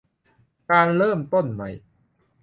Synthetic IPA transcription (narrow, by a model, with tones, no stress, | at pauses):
kaː˧nɾɤː˥˩mt̪o˥˩nma˦˥j